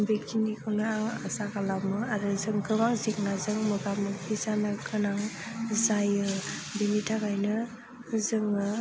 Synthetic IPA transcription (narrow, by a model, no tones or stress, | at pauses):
bek̚tinikʰɯnɯaŋasakalamɯaɾɯzɯŋkɯbaŋzek̚nazɯŋmɯɡamɯkʰisanɯkʰɯnaŋzajɯbinitʰakajnɯ | zɯŋɯ